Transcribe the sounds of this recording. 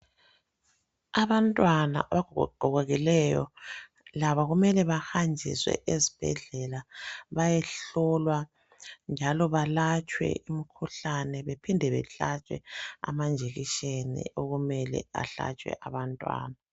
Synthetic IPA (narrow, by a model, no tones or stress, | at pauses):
aβantʼwanaʔaβaɡʱɡ̥ʱɔɣoɣilɛjɔ̰ | laβaɣumɛlɛβahand͡ʒʱḭswɛ̰ʔezi̥b̥ʱɛ̰ɮɛlaβajɛɬɔlwa | nd͡ʒʱalɔβalat͡ʃʼwɛ̰imikʰuɬanɛβepʰindʱɛβɛ̰ɬat͡ʃʼwɛ̰a̰mand͡ʒʱeɣiʃenḭʔoɣumɛlɛ̰a̰ɬa̰t͡ʃʼwɛ̰ʔaβantʼwa̰ːna